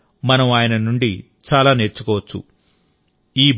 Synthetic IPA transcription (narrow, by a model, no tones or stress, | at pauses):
mɐnɐmaːjɐnɐnuɳɖḭ | t͡ʃaːlaːne̞ːɾt͡ʃːukɔːʋɐt͡ʃːṵ | iːb